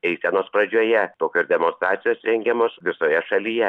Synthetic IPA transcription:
ɛɪsʲɛnoːspɾɐd͡ʒʲuːjɛt̪oːkʲoːsʲd̪ʲɛmonst̪ɾɑːt̪sʲɪjoːsɾʲɛŋʲɡʲɛmoːsʋʲɪsoːjɛʃɐlʲiːjɛ

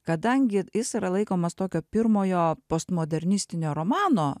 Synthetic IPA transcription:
kɐd̪ɐŋʲɡʲɪjɪsiɾɐlˠɐɪkoːmɐst̪oːkʲoːpʲɪɾmoːjoːpost̪moːd̪ʲɛɾʲnʲɪsʲt̪ʲɪnʲoːɾoːmɑːnoː

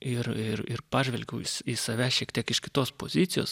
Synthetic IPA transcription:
ɪrɪɾɪ̰rpɑːʒʲʋʲɛlʲɡʲɛʊɪsisɐʋʲæːʃʲiɛkt̪ʲiɛkɪʃkʲɪ̥t̪oːspo̰ːzʲɪt̪sʲɪjo̰ːs

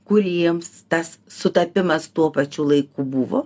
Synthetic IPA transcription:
kʊɾʲiɛmst̪ɐsːʊt̪ɐpʲɪmɐst̪uɔpɐt͡ʃʲulˠɐɪkubʊʋo̰ː

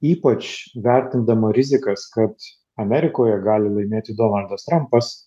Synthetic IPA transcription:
iːpɐt͡ʃʋʲæɾʲt̪ʲɪnd̪ɐmɐɾʲɪzʲɪkɐskɐt̪ | ɐmʲɛɾʲɪkoːjɛɡɑːlʲɪlˠɐɪmʲeːt̪ʲɪd̪oːnɐlʲˠd̪ɐst̪ɾɐmpɐs

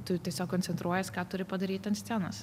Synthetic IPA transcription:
t̪ʊt̪ʲiɛsʲoːkkɔnʲsʲɛnt̪ɾuɔjɛskɑːt̪ʊɾʲɪpɐd̪ɐɾʲiːt̪ʲɛɐnsʲt̪ʲænɐs

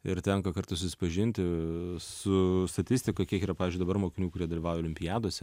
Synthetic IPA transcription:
ɪɾt̪ʲɛŋkɐkɐɾt̪ɐsʊsʲɪ̥pɐʒʲɪnʲt̪ʲɪsʊst̪ɐt̪ʲɪsʲt̪ʲɪkɐkʲiɛkiːɾɐpɑːʋʲɪzd͡ʒʊɪd̪ɐbɐɾmoːkʲɪnʲuːkʊɾʲiɛd̪ɐlʲiːʋɑːʊjɛolʲɪmʲpʲɪjæːd̪oːsʲɛ

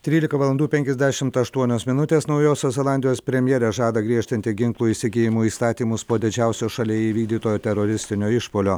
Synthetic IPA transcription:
t̪ʲɾʲiːlʲɪkɐʋɐlˠɐnd̪uːpʲɛŋʲkʲɛzʲd̪ʲæʃʲɪmt̪ɐʃt̪uɔnʲoːsmʲɪnʊt̪ʲeːsnɐʊjoːsʲoːzʲɛlˠɑnʲd̪ʲɪjoːspʲɾʲɛmʲjɛɾʲɛʒɑːd̪ɐɡɾʲiɛʃʲt̪ʲɐnt̪ʲɪɡʲɪŋklˠuːiːsʲɪɡʲeːjɪmuːiːst̪ɑːt̪ʲiːmʊspoːd̪ʲɪd͡ʒʲæʊsʲoːʃɐlʲeːiʋʲiːɡ̚d̪ʲiːt̪oːjoːt̪ʲɛɾoɾʲɪsʲt̪ʲɪnʲoːɪʃpoːlʲoː

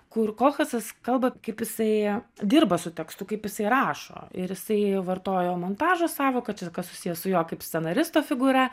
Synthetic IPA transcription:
kʊrkoːxʲɐsɐskɐlˠbɐkɐɪpjɪsɐɪd̪ʲɪːrbɐsʊt̪ʲɛkst̪ʊkɐɪpjɪsɐɪɾɑːʃo̰ːɪɾjɪsɐɪʋɐrt̪oːjoːmont̪ɑːʒosɑːʋoːkɐt͡ʃʲɛkɐssʊsʲiːjɛsʊjoːkɐɪpsʲt̪ʲsʲɛnɐɾʲɪst̪oːfʲɪɡʊɾʲɛ

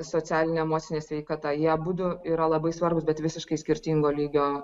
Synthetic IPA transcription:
soːt͡s̪ʲæːlʲɪnʲeɛmoːtsʲɪnʲeːsʲʋʲɛɪkɑt̪ɐjiɛbuːd̪ʊiːɾɐlˠɐbɐɪsʋɐrbʊsbʲɛt̪ʋʲɪsʲɪʃkɐɪsʲkʲɪrʲt̪ʲiːŋɡoːlʲiːɡʲoː

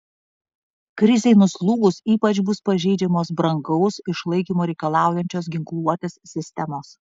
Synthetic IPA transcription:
kɾʲɪzʲɛɪnʊslˠuːɡʊsiːpɐt͡ʃbʊspɐʒʲɛɪd͡ʒʲɛmoːsbɾɐŋɡɐʊsɪʃlˠɐɪkʲiːmoːɾʲɛɪkɐlˠɑˑʊjɛnʲt͡ʃʲoːs̬ɡʲɪŋklˠuɔt̪ʲeːsːʲɪsʲt̪ʲɛmoːs

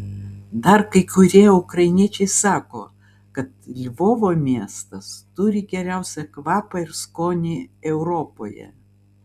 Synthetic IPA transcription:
d̪ɐɾkɐɪkʊɾʲiɛʊkɾɐɪnʲiɛt͡ʃʲɛɪsɑːko̰ː | kɐt̪lʲʋoːʋoːmʲiɛst̪ɐst̪ʊɾʲɪɡʲɛɾʲæˑʊsʲɛkʋɑːpɐɪɾskoːnʲɪɛʊɾoːpo̰ːjɛ̰

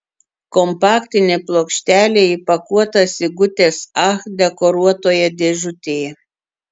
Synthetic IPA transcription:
kɔmpɑːkʲt̪ʲɪnʲeːplˠoːkʃʲt̪ʲæːlʲeːɪpɐkuɔt̪ɐsʲɪɡʊt̪ʲeːsɑxd̪ʲɛkɔɾuɔt̪oːjɛd̪ʲeʒʲʊt̪ʲeːjɛ

